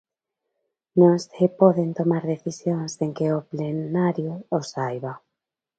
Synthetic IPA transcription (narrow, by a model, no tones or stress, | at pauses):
nõŋsɪpɔðent̪omaɾðeθisjoŋzeŋkeoplenaɾjoːsajβa